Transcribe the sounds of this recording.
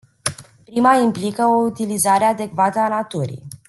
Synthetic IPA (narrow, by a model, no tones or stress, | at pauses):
pɾimaimplikəout̪ilizaɾe̞ad̪e̞kvat̪əanat̪uɾḭj